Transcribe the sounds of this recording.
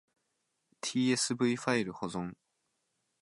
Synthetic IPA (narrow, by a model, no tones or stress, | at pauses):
t̪ʲʰiːesɨbɯ̟iɸaiɾɯ̟ho̞zõ̞ŋ